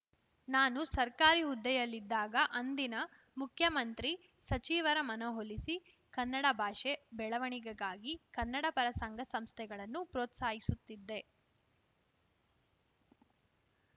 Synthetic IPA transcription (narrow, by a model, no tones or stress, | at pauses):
naːnusɐɾkaːɾiɦud̪ːɛjɐlːid̪ːaːɡɐʔɐnd̪inɐ | mukʰjɐmɐnt̪ɾi | sɐt͡ʃiːʋɐɾɐmɐnɐɦolisi | kɐnːɐɽɐbʱaːʂebɛɭɐʋɐɳiɡɐɡaːɡikɐnːɐɽɐpɐɾɐsɐŋɡʱɐsɐmst̪ʰɛɡɐɭɐnːupɾoːt̪saːɦisut̪ːid̪ːe̞